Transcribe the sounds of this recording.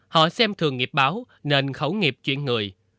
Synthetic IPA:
hɔ̰˧˨sɛ˧mt̪ʰɨ˨˩əŋːi˨˩p̚ɓaː˨˦w | ne˧nxə˨˦wŋi˨˩p̚t͡ɕwḭ˧˨ənŋɨ˨˩əj

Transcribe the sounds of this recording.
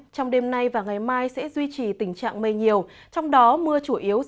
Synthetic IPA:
t͡ɕɔ˧wŋ͡mɗe˧mna˧jvaː˨˩ŋa˨˩jmaː˧jsɛ̰˧˥zwi˧t͡ɕi˨˩t̪ï˧˩ŋ̟t͡ɕa̰ː˧˨ŋmə˧˩jɲi˨˩əw | t͡ɕɔ˧wŋ͡mɗɔ˨˦mɨ˧ət͡ɕu˧˩ʔi˨˦əw

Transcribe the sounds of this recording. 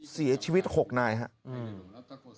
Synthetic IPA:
si˩˦ɐ˦t͡ɕʰiː˧wi˦˥t̪̚ho˨˩k̚naː˧jɦa˦˥ʔ

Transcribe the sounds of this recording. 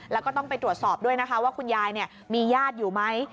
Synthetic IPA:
lɛː˦˥wkɔː˥˩t̪ɔ˥˩ŋpa˧jt̪ɾu˨˩ət̪̚sɔː˨˩p̚du˥˩əjna˦˥kʰa˦˥waː˥˩kʰu˧njaː˧jni˥˩ə | miː˧jaː˥˩t̪̚juː˨˩ma˦˥j

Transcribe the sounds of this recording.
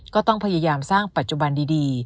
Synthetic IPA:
kɔː˥˩t̪ɔ˥˩ŋpʰa˧jaː˧jaː˧msaː˥˩ŋpa˨˩t̪̚t͡ɕu˨ba˧ndiː˧diː˧

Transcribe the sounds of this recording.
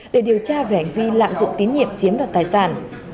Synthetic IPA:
ɗe˧˩ɗi˨˩əwt͡ɕaː˧ve˧˩ha˨˩ŋ̟vi˧la̰ː˧˨mzʊ̰˧˨ŋ͡mt̪i˨˦nɲḭ˧˨əmt͡ɕi˨˦əmɗaː˨˩t̚t̪aː˨˩jsaː˧˩n

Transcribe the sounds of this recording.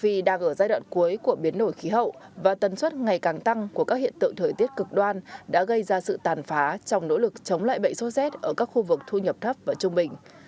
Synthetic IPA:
fi˧ɗaː˧ŋʔəː˧˩zaː˧jɗwa̰ː˧˨nku˨˦əjku˧˩əɓi˨˦ənɗo˧˩jxi˨˦ɦə̰˧˨wvaː˨˩t̪ə˨˩nswə˦˥t̚ŋa˨˩jkaː˨˩ŋt̪a˧ŋku˧˩əkaː˦˥k̚hḭ˧˨ənt̪ɨ̰˧˨ŋt̪ʰəː˨˩jt̪i˦˥ət̚kɨ˨˩k̚ɗwaː˧nɗa̰ː˧˥ɣə˧jzaː˧sɨ̰˧˨t̪aː˨˩nfaː˨˦t͡ɕɔ˧wŋ͡mno̰˧˥lɨ˨˩k̚t͡ɕə˨˦wŋ͡mla̰ː˧˨jɓə̰˧˨jŋso˦˥t̚sɛ˦˥t̚ʔəː˧˩kaː˦˥k̚xu˧vɨ˨˩k̚t̪ʰu˧ɲə˨˩p̚t̪ʰə˦˥p̚vaː˨˩t͡ɕʊ˧ŋ͡mɓï˨˩ŋ̟

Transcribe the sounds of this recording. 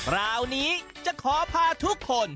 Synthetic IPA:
ɾaː˧wniː˦˥ | t͡ɕa˨˩kʰɔː˩˦pʰaː˧t̪ʰu˦˥kʰːo˧n

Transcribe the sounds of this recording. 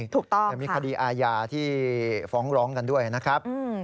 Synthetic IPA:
t̪ʰuː˨˩k̚t̪ɔ˥a˨˩miː˧kʰa˧diː˧ʔaː˧jaː˧t̪ʰiː˥˩fɔː˩˦˥ŋɾɔː˦˥ŋka˧ndu˥˩əjna˦˥kʰɾa˦˥p̚ʔ

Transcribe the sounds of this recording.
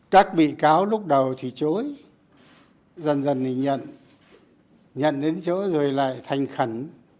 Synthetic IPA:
k̪aː˦˥k̚ɓḭ˧˨kaː˨˦wlʊ˦˥k͡p̚ɗə˨˩wt̪ʰi˨˩t͡ɕo˨˦j | zə˨˩nzə˨˩ni˨˩ɲə̰˧˨n | ɲə̰˧˨nɗe˨˦nt͡ɕə̰ː˧˥zo˨˩jla̰ː˧˨jt̪ʰa˨˩jŋ̟xə˧˩n

